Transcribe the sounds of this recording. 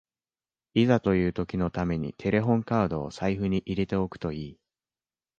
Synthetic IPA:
izat̪o̞jɯ̟ːt̪o̞kʲino̞t̪ame̞ɲ̟ḭt̪ʰe̞ɾe̞ɦõ̞ŋkaɯd̪o̞̰ːsaiɸɯ̟ɲ̟iʔiɾe̞t̪e̞o̞kɯ̟̥t̪o̞iː

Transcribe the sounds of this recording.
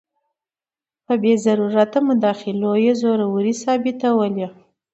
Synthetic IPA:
pəbezaɾuɾat̪amʊd̪ɑxɪlojezoɾawɾisɑbɪt̪awəle

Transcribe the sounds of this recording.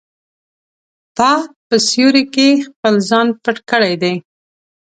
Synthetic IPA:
t̪ɑpəsjuɾekexpəlzɑnpəʈkəɽajd̪aj

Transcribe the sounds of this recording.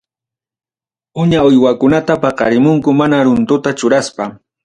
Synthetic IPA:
ʊɲaʊjwakʊnat̪apɑqɑ̰ɾɪmʊŋkʊmanaɾʊnt̪ʊt̪at͡ʃʊɾaspa

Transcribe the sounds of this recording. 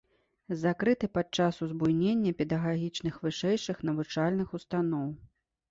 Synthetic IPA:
zakɾɨt̪ɨpat̪̚t͡ʂasuzbujnʲenʲːɐpʲɛd̪ɐɣaɣʲit͡ʂnɨxvɨʂɛjʂɨxn̪ɐvut͡ʂalʲnɨxust̪anɔw

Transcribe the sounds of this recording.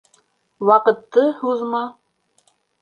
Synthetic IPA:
wɑqɤ̆t̪ːɤhuðmɑ

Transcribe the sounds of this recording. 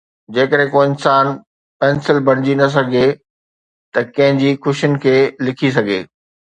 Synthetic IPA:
d͡ʑeːkəɾɦẽkoːɪnsaːn | pɛ̃ːnsɪlbʱɐɽ̃ɪd͡ʑinɐs̬ɐɡʱe | t̪ɐkɐ̃ɦɪ̃ɲd͡ʑiːxʊʃijʊnɪ̆kʰeːlɪkʰis̬ɐɡʱḛː

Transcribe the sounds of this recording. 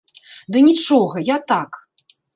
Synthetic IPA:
d̪ɨnʲit͡ʂɔɣɐjat̪ak

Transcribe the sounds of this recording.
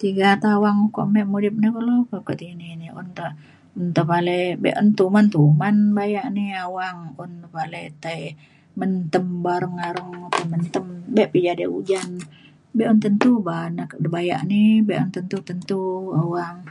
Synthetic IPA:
t̪iɡat̪awaŋko̰ʔmɛʔmudɪp̚nakəlokokəʔt̪ininiṵnt̪a | unt̪əpalebɛ̰ʔunt̪umant̪umanbajaʔniawaŋunt̪əpalet̪ai | mənt̪əmbaɾəŋaɾəŋt̪əmənt̪əmbɛʔpid͡ʒadeud͡ʒan | bɛʔunt̪ənt̪ubanakdbaja̰ʔnibɛʔunt̪ənt̪ut̪ənt̪uawaŋ

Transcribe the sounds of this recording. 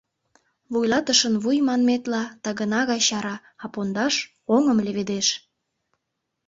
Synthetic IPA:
βujlɑt̪əʃənβujmɑnmet̪lɑt̪ɑɣənɑɣɑjɕɑɾɑː | pond̪ɑʃ | oŋəmleβed̪eʃ

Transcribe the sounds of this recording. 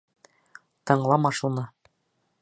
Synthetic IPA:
t̪ɤ̆ɴlˠɑmɑʃunɤ

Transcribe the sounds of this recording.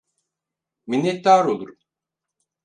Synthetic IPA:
minːɛt̪̚d̪aːɾolˠuɾum

